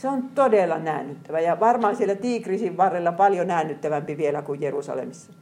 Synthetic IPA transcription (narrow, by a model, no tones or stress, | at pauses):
seont̪odelːˑɑnæˑːnːyt̪ːæʋæjɑʋɑrmɑhːɑsielːˑæt̪iːkrisiʋʋɑrːelːɑpɑljonæˑːnːyt̪ːæʋæmpiʋielækujjerṵsɑ̰lḛmisːɑ̥